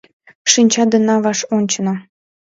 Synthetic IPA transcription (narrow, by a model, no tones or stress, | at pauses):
ʃinʲt͡ɕɑd̪ə̆nɑβɑʃonʲt͡ɕəno